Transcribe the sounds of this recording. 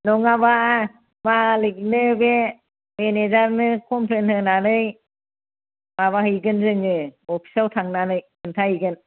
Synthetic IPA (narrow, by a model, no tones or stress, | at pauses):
nɔŋaba | malik̚nɯbe | menezaɾnɯkʰɔmpʰlenhɯnanɯj | maβahɯjɡɯnzɯŋɯɔpʰi̥saltʰaŋnanɯjkʰɯntʰaɯɡɯn